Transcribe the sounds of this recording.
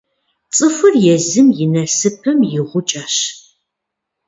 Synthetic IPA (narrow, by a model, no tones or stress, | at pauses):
t͡sʼɨfɨrjɛzɨmjɪnɐsɨpʰɨmjɪʁʷʊt͡ʃʼɐɕ